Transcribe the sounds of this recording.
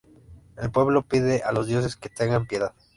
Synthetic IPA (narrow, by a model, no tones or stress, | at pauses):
e̞lpwe̞βlo̞piðe̞ʔalo̞zðjo̞s̬e̞ske̞t̪eŋɡampje̞ðað